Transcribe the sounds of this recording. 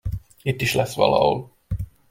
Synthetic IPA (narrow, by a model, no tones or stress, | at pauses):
it̪ːiʃlɛsːʋɒlɒ̰ho̰l